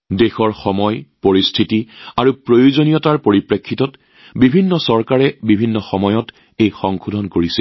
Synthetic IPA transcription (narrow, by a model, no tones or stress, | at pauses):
dexɔɹxɔmɔjpoɹistʰitiaɹupɹojuzonijɔtaɹpoɹipɹekʰːitɔt | bibʱinːɔsɔɹkaɹɛbibʱinːɔxɔmɔjɔt | ejxɔŋkʰudʱɔnkoɹisɛl